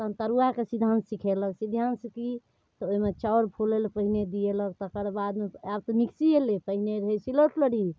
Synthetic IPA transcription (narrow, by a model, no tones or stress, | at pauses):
t̪əmt̪əɾuakesid̪ʱansikʰeləksid̪ʱansəki | t̪ɔoimet͡ʃaoɾpʰulelpəɦined̪ielək̚t̪əkəɾbad̪meab̚t̪ɔmiksielepəɦineɾəɦesiloʈləɽi